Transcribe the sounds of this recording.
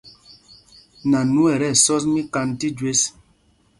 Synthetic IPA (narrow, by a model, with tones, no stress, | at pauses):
na˨nu˦ɛ˨ɾɛ˦˨sɔ˦s̬mi˦ka˦nti˦d͡ʒwe˦s